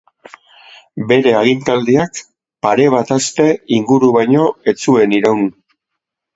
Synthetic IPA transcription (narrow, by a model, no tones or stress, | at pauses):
be̞ɾe̞aɣ̞int̪ald̪iak | paɾe̞β̞at̪ast̪e̞iŋɡuɾuβajɲo̞e̞t͡sue̞niɾawn